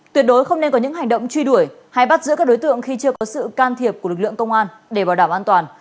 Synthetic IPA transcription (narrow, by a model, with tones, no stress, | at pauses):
t̪wi˨˩ət̚ɗo˨˦jxə˧wŋ͡mne˧nkɔ˨˦ɲɨ̰˧˥ɦa˨˩jŋ̟ɗə̰˧˨wŋ͡mt͡ɕwi˧ɗu˧˩əj | ha˧jɓa˦˥t̚zɨ̰˧˥kːk̚ɗo˨˦jt̪ɨ̰˧˨əŋxi˧t͡ɕɨ˧əkɔ˨˦sɨ̰˧˨kaː˧nt̪ʰi˨˩əp̚ku˧˩əlɨ˨˩k̚lɨ̰˧˨əŋkə˧wŋ͡mʔaː˧n | ɗe˧˩ɓaː˨˩wɗaː˧˩mʔaː˧nt̪waː˨˩n